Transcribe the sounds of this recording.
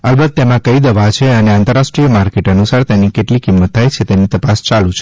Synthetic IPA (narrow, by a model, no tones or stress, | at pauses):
əlbəɡ̚t̪emãkəid̪əʋat͡ʃʰeəneãnt̪əɾːaʃʈɾijəmaɾkeʈənusaɾt̪enikeʈlikimːət̪ʰːajt͡ʃʰet̪enit̪əpast͡ʃalũt͡ʃʰe̥